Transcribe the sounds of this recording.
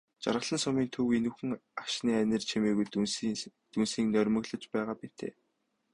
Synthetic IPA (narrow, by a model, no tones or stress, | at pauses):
t͡ɕa̰ɾʁə̆ɮə̆nsʊmiːnt̪ʰɵwenuxɘ̆ŋakʃniːænʲɘ̆rt͡ɕʰemeːɣujt̪ | t̪unsiːŋnœrʲmɵ̆ɣɮə̆t͡ɕpæːʁaːpit̪ʰḛː